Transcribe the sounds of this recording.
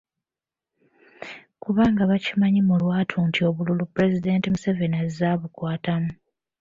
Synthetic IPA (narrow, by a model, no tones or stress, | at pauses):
kuβaːŋɡaβacimaɲimulwaːtʰuːntʰio̞βululupuɾe̞zide̞ːntimuse̞ve̞nazzaβukwaːtamu